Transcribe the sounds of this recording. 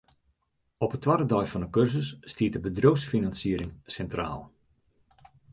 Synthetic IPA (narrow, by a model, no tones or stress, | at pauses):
ɔpətːʋaɾədɔjfɑndəkørsəsːtiət̚əbədrowsfinɑnsiəɾɪŋsɛntra̰ːlˠ